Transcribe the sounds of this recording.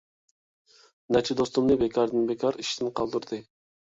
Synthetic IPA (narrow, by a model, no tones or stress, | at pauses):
nɛt͡ʃʰid̪ost̪umnɨbekʲʰɑɾd̪ɨnbekʲʰɑɾiʃt̪ɪnqʰɑlˠd̪uɾd̪ɨ